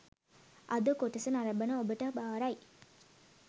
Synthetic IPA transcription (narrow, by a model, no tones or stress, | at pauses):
ʔɐd̪əkoʈisənaɾɐbənəobəʈəbaːɾaj